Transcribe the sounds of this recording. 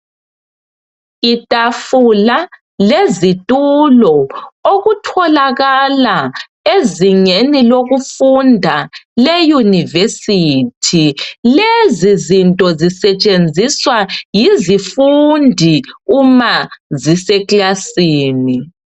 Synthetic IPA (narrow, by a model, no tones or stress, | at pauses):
itʼafula | lezitʼulɔoɣutʰɔlaɣala | eziŋeniloɣufundʱalejunivesitʰilezizintʼɔzisɛt͡ʃʼend͡zʱiswajizifundʱiumazisɛklasiːni